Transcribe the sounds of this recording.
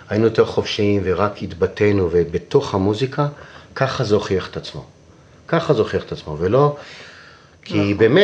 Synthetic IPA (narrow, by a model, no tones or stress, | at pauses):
ajinujot̪eʁχofʃiimveʁakit̪bate̞nuvebeto̞χhamuzikʰakaχazeoχjeχe̥t̪at͡smo̞̰ | kaχazeoχjeχe̥t̪at͡smo̞velo̞ | kʰibeme